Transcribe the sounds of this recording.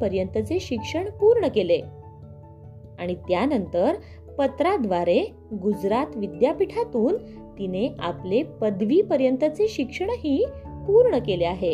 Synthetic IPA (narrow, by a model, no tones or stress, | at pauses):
pəɾjənt̪ət͡seɕikʂəɳpuɾɳəkele | aɽ̃it̪janənt̪əɾ | pət̪ɾad̪ʋaɾe | ɡud͡zɾat̪ʋid̪japiʈʰat̪uːn | t̪ineʔaplepəd̪ʋiːpəɾjənt̪ət͡seɕikʂəɳɦiːpuɾɳəkeleaɦe